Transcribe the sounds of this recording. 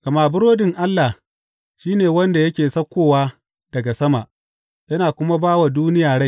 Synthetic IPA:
ɡ̥ɐ˨maː˨bʊ˦ɾoː˦dɪ˨ŋʔa˦lːa˨ | ʃiː˦neː˨wɐ˦nda˨jɐ˦kʲeː˨sɐ˦kʷːoː˦˨waː˦ | d̥ɐ˨ɡa˨sɐ˦ma˨ʔ | jɐ˦naː˨kʷʊ˦ma˦baː˦wa˨duː˦nɪ˦jaː˨ɽa˦j

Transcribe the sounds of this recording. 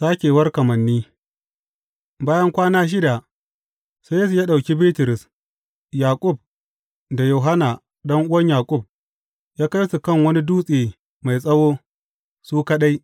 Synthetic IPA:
saː˦kʲeː˨wɐ˦rkɐ˨mɐ˨nːiː˦ | baː˦jɐ˦ŋkʷaː˦naː˦ʃ̬ɪ˦da˨ | se˦jeː˦s̬u˨jaː˦ɗa˨kʲi˦biː˦tʊ˨ɾɪ˨s | jaː˨kʷʼʊ˦˨b̚ | da˨jo˨ɦa˦na˨ | ɗɔ˦ŋʔʊ˦wɐ˦ɲjaː˨kʷʼʊ˦˨b̚ | jaː˦ka˦jsu˨kɐ˦˨ŋwɐ˦ni˦duː˦sʼeː˨ | ma˨jsʼɐ˦woː˦ | suː˦ka˦ɗa˦j

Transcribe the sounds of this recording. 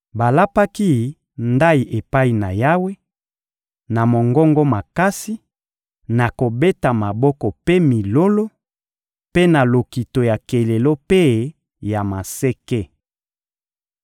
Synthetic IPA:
ba˨la˦pa˦ki˦ | nda˦i˨ʔe˨pa˦i˨na˨ja˦we˦ | na˨mo˨ŋɡɔ˦ŋɡɔ˦ma˨ka˦si˦ | na˨ko˨be˦ta˨ma˨bɔ˦kɔ˨pe˦mi˨lo˦lo˦ | pe˦na˨lo˨ki˨to˨ja˨ke˨le˨lo˦pe˦ | ja˨ma˨se˦ke˦

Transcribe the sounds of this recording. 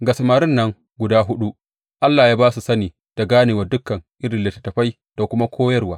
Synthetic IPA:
ɡa˨sɐ˨maː˨ɾɪ˦nːɐ˦ŋ | ɡʷʊ˨daː˦ɦʊ˦ɗu˦ | ʔa˦lːaː˨jaː˦baː˦su˨sɐ˦niː˨ | d̥a˨ɡaː˦neː˨wɐ˨dʊ˦kːɐ˨ŋʔɪ˦ɾɪ˨lɪ˨tːɐ˨tɐ˨ɸa˦j | d̥a˨kʷʊ˦ma˦kʷʰoː˦jɐ˦rwaː˦

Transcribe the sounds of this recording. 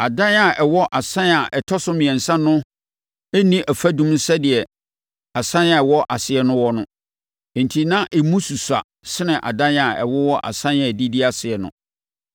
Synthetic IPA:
a˨dã˦na˨ʔɛ˨wɔ˦ʔa˨sã˦na˨ʔɛ˨tʰɔ˦sʊ˦mĩ˨ɛ̃˨n̩˨sã˦nʊ̃˦ | ɛ˦nĩ˦ʔæ˨fæ˦dũ˦mn̩˦sɛ˦dɪ˨ɛ˨ | a˨sã˦na˨ɛ˨wɔ˦ʔa˨sɪ˨ɛ˦nʊ̃˦wɔ˦nʊ̃˦˨ | n̩˨tʰi˨nã˦ʔɛ˨mũ˦su˨sa̰˨ | sɪ˦nɪ̃˨ʔa̰˨dã˦na˨ɛ̰˨wɔ˦wɔ˦ʔa̰˨sã˦a˨di˦di˦a˨sɪ˨ɛ˨nʊ̰̃˦

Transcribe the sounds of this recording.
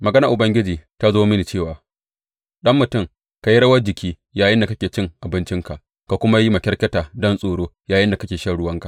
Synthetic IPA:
mɐ˨ɡɐ˦nɐ˨ʔʊ˨bɐ˦ŋɡʲɪ˦d͡ʒiː˨ta˦zoː˦mɪ˦ni˨t͡ʃeː˦˨waː˨ | ɗɐ˦mːʊ˨tʊ˦˨ŋ | ka˨ji˦ɽɐ˦wɐ˦d͡ʒɪ˨kʲʰiː˦ | jaː˨jɪ˦nda˨kɐ˦kʲeː˨t͡ʃɪ˦ŋʔa˨bɪ˦nt͡ʃɪ˦ŋka˨ʔ | ka˨kʷʊ˦ma˦ji˦mɐ˨kʲɛ˦ɽkʲɐ˦taː˨dɔ˦nsʼoː˨ɽoː˦jaː˨jɪ˦nda˨kɐ˦kʲeː˨ʃɐ˦˨ɽʊ˦wɐ˦ŋka˨ʔ

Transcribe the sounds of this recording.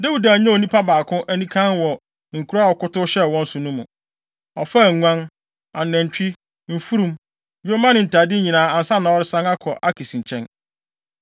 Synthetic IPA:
dɛ˦wi˨da˨ɲɛ̃˦o˨nĩ˦pʰa˦baː˨kʰʊ̃˦ʔæ˦nĩ˦kʰã˦nwɔ˨ | ŋ̩˨kʰu˦ɾa˦˨ɔ˨kʊ˦tʊ˦ɕɛ˦wɔ̃˦n̩˦sʊ˨nũ˦mṵ̃˨ | ɔ˨fa˦˨ŋʷã˦n | ã˨n̩˨næ̃˨ɲ˨t͡ɕᶣi˦ | m̩˨fu˦ɾũ˨˦m | jo˦mã˦nɪ̃˨n̩˨tʰa˨dɪ˦ɲĩ˨nãː˨˦a˨n̩˨sa˦nã˨ɔ˦ɾɪ˦sã˦na˦kʰɔ˨ʔa˦kʰi˨sĩ˨ɲt͡ɕʰɛ̃˦n

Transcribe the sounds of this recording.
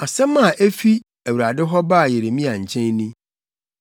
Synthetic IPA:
a˨sɛ̃˦mã˦˨ʔe˦fi˦ | æ˨wu˨ɾa˨dɪ˦ɦɔ˦ba˦˨je˨ɾe˨mĩ˦a˨ɲ̩˨t͡ɕʰɛ̃˦nnĩ˦

